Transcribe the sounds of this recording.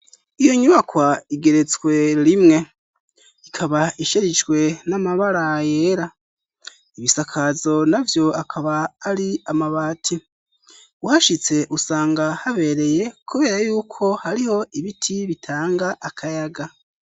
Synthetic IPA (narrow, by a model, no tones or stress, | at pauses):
ijo̞ɲuβakwaiɡe̞ɾe̞t͡swe̞ɾimŋe̞ | ikʰaβaiʃeɾid͡ʒɡwe̞namaβaɾaje̞ɾa | iβisakʰazo̞navjo̞akʰaβaːɾiamaβaːtʰi | uhaʃit͡se̞ʔusaːŋɡahaβe̞ːɾe̞je̞kuβe̞ːɾajuːkʰo̞haɾiho̞iβitʰiβitʰaːŋɡaʔakʰajaɡa